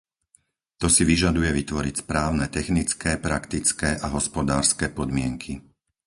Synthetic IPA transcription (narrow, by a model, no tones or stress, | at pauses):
t̪ɔsiʋiʒad̪ujɛʋit̪ʋɔɾicspɾaːʊnɛt̪ɛxnit͡skɛːpɾakt̪it͡skɛːʔaɦɔspɔd̪aːɾskɛːpɔd̪mɪɛŋkʰi